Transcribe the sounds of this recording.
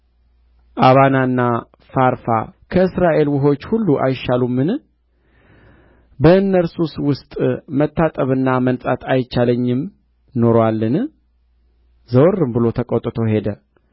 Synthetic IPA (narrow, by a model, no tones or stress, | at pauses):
ʔaβanaɨnːa | faɾfa̰kʰəɨsɾaʔe̞lwʊɦo̞t͡ʃːhulːuʔa̰jʃalumːɨn | bəɨnːəɾsuswʊst̪ʼmət̪ːat̪ʼəβɨnːamənsʼat̪ʰajt͡ʃːaləɲːɪm | no̞ɾowalːɨn | zəwrːɨmbɨlo̞t̪ʰəkʼot̪ʼːɨt̪ʰo̞ɦe̞d̪ə